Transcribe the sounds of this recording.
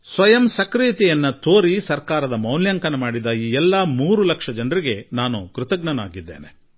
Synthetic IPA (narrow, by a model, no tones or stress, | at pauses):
sʋɐjɐmsɐkɾiːt̪ijɐnːɐt̪ʰoːɾisɐɾkaːɾɐd̪ɐmɐwljaːŋkɐnɐmaːɽid̪ɐjiːɛlːɐmuːɾulɐkʂɐd͡ʒɐnɾiɡe̞naːnukɾut̪ɐɡɳɐna̰ːɡid̪ːeːne